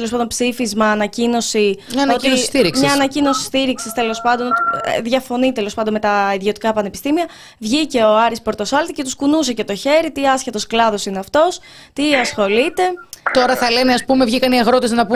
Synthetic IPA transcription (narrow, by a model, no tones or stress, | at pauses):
elos̬ɐnd̪onpsifizmɐːnɐcino̞siɐnɐot̪isst̪iɾikɲɐːnɐcino̞si̥st̪iɾiksist̪e̞lo̞spɐnd̪o̞nðʝɐfo̞nit̪elopɐnd̪omet̪ɐiðio̞t̪i̥kɐpɐnepi̥st̪imiɐ | vʝice̞oɐɾispo̞ɾt̪o̞sɐlt̪ice̞t̪uskunuse̞ce̞t̪o̞çe̞ɾit̪iɐsçet̪o̞sklɐðo̞sineɐft̪o̞s | t̪iɐsxo̞lit̪e̞t̪o̞ɾɐθɐle̞neɐspume̞vʝikɐniɐɣɾo̞t̪eznɐpu